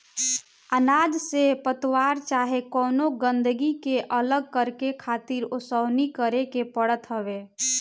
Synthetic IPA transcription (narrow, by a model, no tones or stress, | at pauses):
ənad͡ʒsepət̪waɾt͡ʃaɦekɔːnoɡə̃nd̪əɡikeʔələɡ̚kəɾkekʰat̪iɾʊsəwnikəɾekepəɽət̪ɦəbe